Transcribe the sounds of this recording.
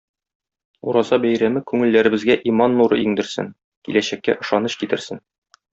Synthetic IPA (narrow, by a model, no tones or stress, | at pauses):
uɾɑzɑbæjɾæmɘkʉŋɘ̆lːæɾɘ̆bɘ̆zɡæʔimɑnːuɾɤ̰iŋd̪ɘ̆ɾsɘ̰ŋ | kḭlæɕækːæ̰ʔɤ̆ʃɑnɤɕkit̪ɘ̆ɾsɘn